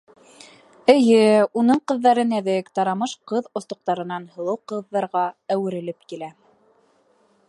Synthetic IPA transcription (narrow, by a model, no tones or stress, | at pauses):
ɘ̆jɘunɤɴqɤ̆ðːɑɾɤnæðɘkt̪ɑɾɑmɤʃqɤðŏθt̪ŏq̚t̪ɑɾɤ̆nɑnhɤ̆lˠɤwqɤ̆ðːɑɾʁɑæwɘ̆ɾɘ̆lɘpkilæ